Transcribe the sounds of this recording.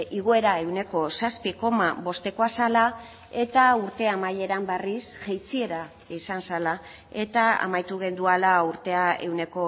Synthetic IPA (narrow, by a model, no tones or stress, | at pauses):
iɣ̞oe̞ɾae̞wne̞ko̞saspiko̞mabo̞st̪e̞ko̞asala | e̞t̪auɾt̪e̞amaje̞ɾamberisʝejt͡sie̞ɾa | isansala | e̞t̪aa̰majt̪uɣ̞e̞nd̪ualauɾt̪e̞ae̞wne̞ko̞